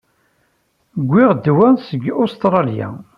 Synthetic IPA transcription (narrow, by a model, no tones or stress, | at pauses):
ɡʷːɪʁd̪wænsəɡost̪ɾˤɑljæ̰